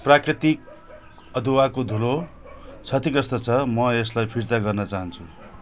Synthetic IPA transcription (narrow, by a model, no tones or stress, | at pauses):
prakrit̪ik̚ | ʌd̪ʱuwakod̪ʱulo | t͡sʰʌt̪ikʌst̪ʌt͡sʰʌmʌeslajpʰiɾt̪aɡʌrnʌt͡saɦʌnt͡sʰu